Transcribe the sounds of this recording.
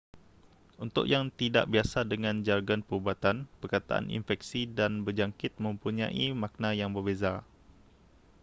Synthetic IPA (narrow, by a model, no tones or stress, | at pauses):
unt̪ʊ̰ʔjaŋt̪ida̰ʔbiasadəŋãnd͡ʒarɡanpəubat̪anpərkat̪a̰ʔa̰nʔḭnfɛk̚sidanbərd͡ʒaŋkɪt̪̚mə̃mpuɲã̰ʔimãk̚nãjaŋbərbeza